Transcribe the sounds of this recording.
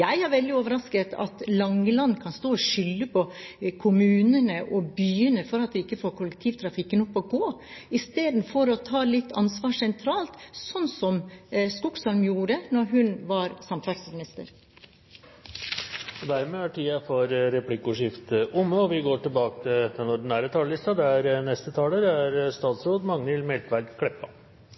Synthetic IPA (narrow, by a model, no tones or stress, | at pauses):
jæɪæɾʋɛld̪ɪoːʋəɾɑskət̪ʰɑ̰t̪lɑŋːəlɑnːkʰɑnst̪oːɔʂʏlːəpʰɔkʰʊmʉːnənəʔɔbyːənəfɔɾɑt̪d̪ɛɪkːəfoːɾkʰʊlək̚t̪ʰiːʋt̪ʰɾɑfɪkːənɔpːɔɡoː | ɪst̪eːd̪n̩fɔɾɔt̪ʰɑːlɪt̪ːɑnsʋɑːʂɛnt̪ʰɾɑːlt̪sɔnːsɔmskʊksɑlmjuːɾənɔɾɦʉnʋɑɾsɑmt̪ɑɾsmɪnɪst̪ə̰ɾ | ɔd̪æɾmɛːæʈʰiːɑfɔɾɾɛpʰlɪkːʊʂɪft̪əʔʊmːəɔʋɪɡoːʈɪlbɑːkət̪ʰɪld̪ɛnɔɖn̩æːɾət̪ʰɑːllɪst̪ɑd̪ɛæɾnɛst̪ət̪ʰɑːləɾæɾst̪ɑːt̪sɾoːd̪mɑŋnɪlmɛlt̪ʋæɾɡkʰɽɛpːɑ